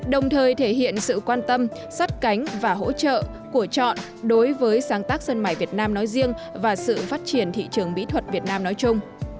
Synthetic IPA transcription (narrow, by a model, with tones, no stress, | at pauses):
ɗə˨˩wŋ͡mt̪ʰəː˨˩jt̪ʰe˧˩ɦḭ˧˨ənsɨ̰˧˨kwaː˧nt̪ə˧m | sa˦˥t̚ka˨˦jŋ̟vaː˨˩ɦo̰˧˥t͡ɕə̰ː˧˨ | ku˧˩ət͡ɕɔ̰˧˨n | ɗo˨˦jvəː˨˦jsaː˨˦ŋt̪aː˦˥k̚sə˧nmaː˧˩jvi˨˩ət̚naː˧mnɔ˨˦jzi˧əŋ | vaː˨˩sɨ̰˧˨faː˦˥t̚t͡ɕi˧˩ənt̪ʰḭ˧˨t͡ɕɨ˨˩əŋmḭ˧˥t̪ʰwə˨˩t̚vi˨˩ət̚naː˧mnɔ˨˦jt͡ɕʊ˧ŋ͡m